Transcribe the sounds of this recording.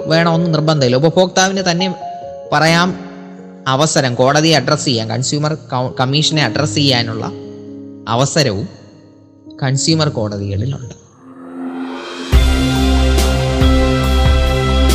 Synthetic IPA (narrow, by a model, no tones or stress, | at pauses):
ʋe̞ːɳɐmo̞nːɨnirbɐnd̪ʱɐiloupɐfʰo̞ːk̚t̪aːʋinɨt̪ɐnːe̞pɐrɐjaːm | ɐʋɐsɐɾɐmko̞ːɽɐðijɐɖrɐsejːaːnkɐ̰ɳsjuːmɐrkkɐmːiːʂɐneɐɖrɐsejːaːnuɭːɐ̰ | ɐ̰ʋɐsɐɾɐʋum | kɐnsjuːmɐrko̞ːɽɐðiɣɐɭilṵɳɖɨ̥